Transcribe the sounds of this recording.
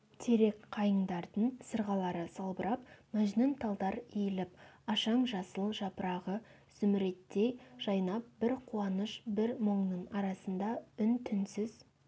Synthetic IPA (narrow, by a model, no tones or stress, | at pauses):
t̪ʰeɾe̞kqʰɑjəɴd̪ɑɾd̪əɴsəɾʁɑlˠɑɾəsɑlˠbəɾɑpmæʒnɪnt̪ʰɑlˠd̪ɑɾijɪlɪp̚ɑʃɑɴʒɑsəlˠʒɑpəɾɑʁə | z̥ʏmɪɾe̞t̪ːejʒ̥ɑjnɑp̚b̥ɪɾqʰuɑnəʃbɪɾmoɴnəɴɑɾɑsənd̪ɑʏnt̪ʰʏnsɪz̥